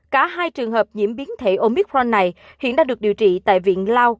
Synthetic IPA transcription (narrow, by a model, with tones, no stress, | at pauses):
kaː˧˩ɦaː˧jt͡ɕɨ˨˩əŋɦəː˨˩p̚ɲḭ˧˩əmɓi˨˦ənt̪ʰe˧˩ʔo˧mi˦˥k̚ɔ˧nːa˨˩j | hḭ˧˨ənɗaː˧ŋɨ˨˩ək̚ɗi˨˩əwt͡ɕḭ˧˨t̪a̰ː˧˨jvḭ˧˨ənlaː˧w